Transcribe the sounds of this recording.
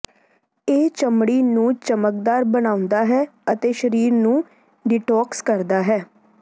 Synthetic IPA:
eːt͡ʃəmɽiːnũːt͡ʃəməkd̪aːɾbənaːʊ̃nd̪aːɦɛːət̪eːʃəɾiːɾnũː | ɖɪʈɔːkskəɾd̪aːɦɛː

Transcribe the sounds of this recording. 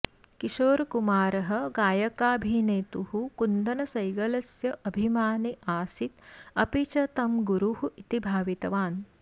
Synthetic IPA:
kiʃoːɾkumaːɾɐɦɐ̆ɡaːjɐkaːbʱineːt̪uhukund̪ɐnɐsɐjɡɐlɐsjɐʔɐbʱimaːniʔaːsit̪ɐpit͡ʃɐt̪ɐmɡuɾuhuʔit̪ibʱaːʋit̪ɐʋaːn

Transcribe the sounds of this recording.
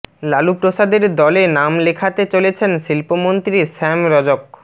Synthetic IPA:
lalupɾoʃad̪eɾd̪ɔlenamlekʰat̪et͡ɕolet͡ɕʰenʃilpomont̪ɾisɛmɾɔd͡ʑok̚

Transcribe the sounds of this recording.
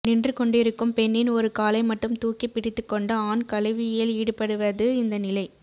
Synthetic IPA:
nɪndrɯkɔɳɖɪɾɯkːɯmpɛnːɪnɔɾɯkaːlɐɪmɐʈːɯmt̪uːkːipːɪɽɪt̪ːɯkːɔɳɖɐaːnkɐlɐʋɪjɪliːɽɯpɐɽɯʋɐðɯɪnd̪ɐnɪlɐɪ

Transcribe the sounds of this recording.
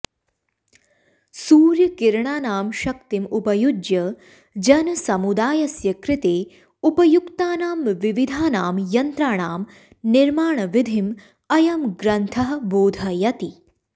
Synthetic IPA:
suːɾjɐkiɾɳaːnaːmʃɐkt̪imupɐjud͡ʒjɐ | d͡ʒɐnɐsɐmud̪aːjɐsjɐkɾɪt̪eː | upɐjukt̪aːnaːmʋiʋid̪ʱaːnaːmjɐnt̪ɾaːɳaːm | niɾmaːɳɐʋid̪ʱim | ɐjɐmɡɾɐnt̪ʰɐɦɐ̆boːd̪ʱɐjɐt̪i

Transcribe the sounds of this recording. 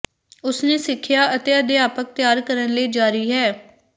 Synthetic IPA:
ʊsneːsɪkʰːjaːʔət̪eːəd̪eːaːpək̚t̪jaːɾkəɾənleːd͡ʒaːɾiːɦɛː

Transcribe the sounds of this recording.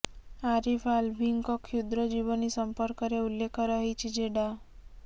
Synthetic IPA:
aɾifalbʱiŋkɔkʰjud̪ɾɔd͡ʒiʋənisəmpəɾkəɾeulːekʰəɾəɦit͡ʃʰid͡ʒeɖa

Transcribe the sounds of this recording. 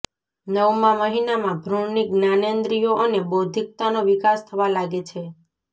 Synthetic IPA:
nəwmãməɦinamãbʱɾoniɡnanend̪ɾijoʔənebod̪ʱik̚t̪anoʋikast̪ʰəʋalaɡet͡ʃʰe

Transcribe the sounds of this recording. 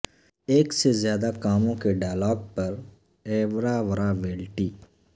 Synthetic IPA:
eːksezjaːd̪akaːmõkeɖaːjlaːɡ̚pɐɾ | ɛːʋɐɾaːʋɐɾaʋeːlʈiː

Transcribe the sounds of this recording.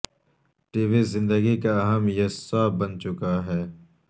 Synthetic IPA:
ʈiːʋizɪ̃nd̪əɡikaɐɦəmjesaːbənt͡ʃʊkaɦɛː

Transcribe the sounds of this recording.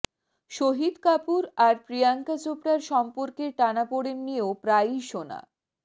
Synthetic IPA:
ʃoɦid̪kapuɾaɾpɾijaŋkat͡ɕopɽaɾʃɔmpoɾkeɾʈanapoɽenːieopɾajʃona̰

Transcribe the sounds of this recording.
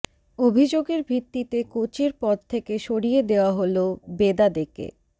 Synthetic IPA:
obʱid͡ʑoɡeɾbʱɾit̪ːit̪ekot͡ɕeɾpɔd̪̚t̪ʰekeʃoɽijed̪eoaɦolobed̪ad̪ekḛ

